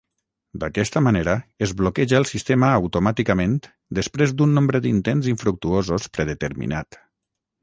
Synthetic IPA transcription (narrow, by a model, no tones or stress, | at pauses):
d̪akɛst̪əmaneɾəezβlokɛʒaːlˠsist̪eməːwt̪umat̪ikəmẽn | d̪əspɾezd̪unːõmbɾəd̪int̪enziɱfɾuk̚t̪uozospɾəðət̪əɾmḭnat̪